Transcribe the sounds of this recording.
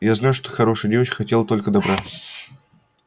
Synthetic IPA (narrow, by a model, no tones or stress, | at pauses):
jaznajuʂt̪oxɐɾo̞ʂɨjdʲevət͡ɕkxɐtʲe̞lˠət̪o̞lʲkəd̪ɐbɾaə